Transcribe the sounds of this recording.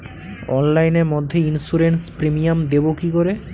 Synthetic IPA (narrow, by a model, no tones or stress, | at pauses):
ɔnlajneɾmod̪ʱːeinsuɾenspɾemijamd̪ebokikoɾe